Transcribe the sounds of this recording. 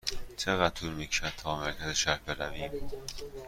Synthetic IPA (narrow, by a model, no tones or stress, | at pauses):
t͡ʃʰeɣæt̪ʰuːɾmikʃæt̪ʰːɒːmæɾkʰæziʃæɾbeɾæviːm